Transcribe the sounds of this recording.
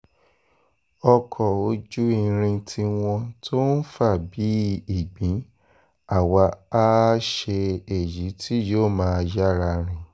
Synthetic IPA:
ɔ˧kʰɔ˨o˧d͡ʒu˦i˧˨ɾ̃ĩ˧tʰi˧w̃ɔ̃˧tʰo˦n̩˦fa˦˨bi˨˦i˨ɡ͡bĩ˨˦ | a˦˨wa˧a˦ʃe˧e˨ji˨˦tʰi˦joː˦˨mãː˦˧d͡ʒa˦˨ɾa˧ɾ̃ĩ˨

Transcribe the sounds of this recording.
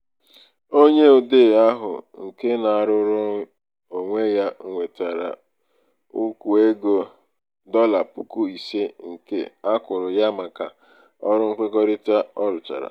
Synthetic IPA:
o˦ɲe˦o˨de˦˨a˦ɦʊ̰˨ŋ̩˨ke˦na˨a˨ɾʊ˦ɾʊ˦ | o˨ŋʷe˦ja˦ŋ̩˨ŋʷe˨ta˨ɾa̰˨ | u˦ku˨e˦ɡo˨ | dɔ˦la˨pu˦ku˦i˨se˦ŋ̩˨kḛ˦a˦kʊ˨ɾʊ˨ja˦ma˨ka̰˨ | ɔ˦ɾʊ˦ŋ̩˦kʷe˦ɡɔ˦ɾɪ˦ta˦ɔ˦ɾʊ˨t͡ʃa̰˨ɾa̰˨

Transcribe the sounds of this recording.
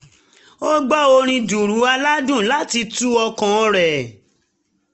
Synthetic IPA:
o˦ɡ͡bɔ˦˨o˧ɾ̃ĩ˧du˨ɾu˨˦a˧la˦dũ˦˨la˦ti˧tu˦ɔ˧kã˨˧ɾɛ˨

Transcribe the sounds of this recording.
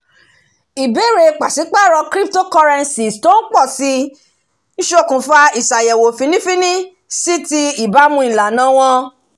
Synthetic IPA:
i˨be˨˦ɾe˧k͡pa˨si˨˦k͡pa˦˨ɾɔ˧kɾi˦p̚to˦kɔ˧ɾɛ˧nsi˨sto˦n̩˦k͡pɔ˦˨si˧˦ | ʃo˦˨kũ˨fa˧i˨sa˨jɛ˨wo˨fi˨˧nĩ˦fĩ˦nĩ˦ | si˦ti˧i˨ba˨˦mũ˧˦i˨la˨nã˨˦w̃ɔ̃˧

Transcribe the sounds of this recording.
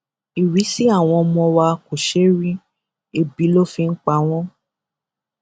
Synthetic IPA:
i˨wi˨˦si˦a˦˨w̃ɔ̃˧mɔ̃˧wa˧ko˨ʃe˦ɾi˦ | e˦˨bi˨˦lo˦fi˧ŋ̩˦k͡pa˧˦w̃ɔ̃˦

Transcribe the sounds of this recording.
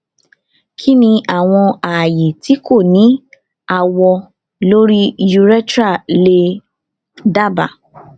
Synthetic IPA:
kʰi˦nĩ˧a˦˨w̃ɔ̃˧a˨je˨ti˨˦ko˦˨nĩ˨˦ | a˦˨wɔ˧ | lo˦ɾi˦ju˧ɾɛ˦tɾa˦˨le˧ | da˦˨ba̰˨

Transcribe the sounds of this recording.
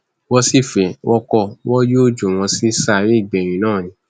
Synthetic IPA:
wɔ˧si˦˨fɛ˨wʔɔ˧kɔ˧˨wɔ˦jo˦˨d͡ʒo˨w̃ɔ̃˧si˦sa˦˨ɾi˦i˦˨ɡ͡bɛ˨ɾ̃ĩ˨˦nãː˦˨jĩ˨˦

